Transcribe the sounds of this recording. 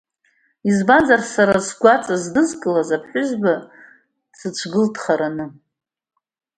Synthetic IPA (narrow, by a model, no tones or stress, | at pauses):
izband͡zarsaɾasɡʷat͡sʼazdɨzkʼɨlazapʰħʷᶣʊzba | t͡sʰɨt͡ʃʷʰɡɨltʰχaɾanɨ